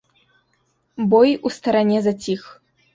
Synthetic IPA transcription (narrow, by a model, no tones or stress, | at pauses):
bɔjust̪ɐɾanʲɛzat͡sʲix